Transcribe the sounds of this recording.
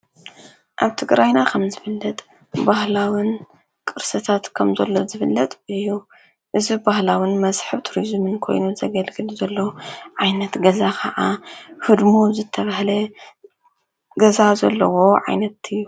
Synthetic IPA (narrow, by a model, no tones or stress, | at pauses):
ʔaβt̪ʰɨɡɾajnakʰɐmzɨfɨlːɐt̪ʼ | bahlawin | kʼɨɾsɐt̪ʰat̪kʰɐmzɐlːo̞zɨfɨlːɐt̪ʼɨjːu | ʔɨzibahlawinmɐzħɨβt̪ʰuɾizmɨnkʰo̞̰jnuzɐɡɐlɡɨlzɐlːo̞ʕajnɐt̪ɡɐzakʰɐʕahɨd̪muzɨt̪ʰːɐβahlɐ | ɡɐzazɐ̰lːɐwo̞ʕa̰jnɐt̪ɨjːu